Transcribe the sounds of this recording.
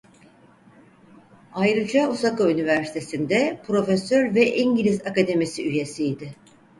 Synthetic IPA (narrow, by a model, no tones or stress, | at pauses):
ajɾɯd͡ʒausakaynivæɾsi̥t̪ʰesind̪ɛpʰɾo̞fesøɾvɛʔiɲɟilʲizakad̪emisiyje̞sijd̪ɪ